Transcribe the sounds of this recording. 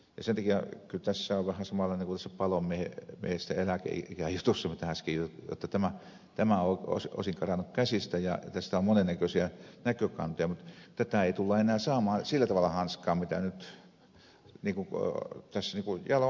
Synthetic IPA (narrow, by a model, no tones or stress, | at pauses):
jɑsent̪ɑkiækylt̪æsːæoʋʋæhæsɑmɑlːˑɑˑineŋkunt̪æsːæpɑlomiehemiḛhest̪æelækḛḭikæjut̪usːɑmit̪æhæskijjo̰t̪ːɑt̪æmæ | t̪æmæoˑo̰ˑso̰ˑsiŋkɑrɑnukkæsist̪æjɑ̰t̪æst̪æommonenːækøsiænækøkɑ̰nt̪ojɑmut̪t̪æt̪æˑeit̪ulːɑenˑæːsɑːmɑːsilːæt̪ɑʋɑlːˑɑhɑnskɑːmmit̪æ̰nyt̪ | niːŋkut̪æsːniːŋkujɑlo